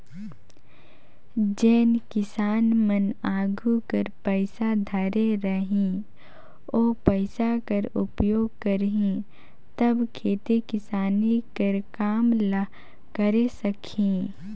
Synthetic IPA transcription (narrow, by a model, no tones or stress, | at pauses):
d͡ʒɛːnkɪsaːnmənaːɡʱukəɾpəɪsad̪ʱɐɾeɾɐɦĩ | oːpəɪsakɐɾʊpjoːɡ̚kəɾɦĩ | t̪ɐbkʰeːt̪ikɪsaːnikəɾkaːml | kəɾesɐkʰĩ